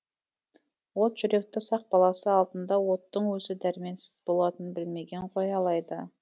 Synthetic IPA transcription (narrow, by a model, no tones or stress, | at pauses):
wot̪ʒ̥ʏɾe̞k̚t̪ɪsɑq̚bɑlˠɑsəɑlˠd̪ənd̪ɑwo̞t̪ːəɴwɵzɪd̪æɾɪme̞nsɪzbo̞lˠɑt̪ənbɪlme̞ɡʲe̞ɴqʰo̞jɑlˠɑjd̪ə